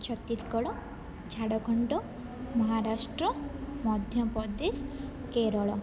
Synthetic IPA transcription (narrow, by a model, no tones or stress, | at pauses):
t͡ʃʰɔt̪ːiskɔɽɔ | d͡ʒʰʱaɽɔɡʱɔɳʈɔ | mɔɦaɾasʈɾɔmɔd̪ʱjɔpɔd̪es | keɾɔɭɔ